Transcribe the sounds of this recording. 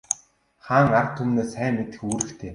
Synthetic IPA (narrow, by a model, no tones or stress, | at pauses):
χaːŋart̪ʰːumneːsːæːmːet̪ɘ̆xuːɾɘ̆kt̪ʰeː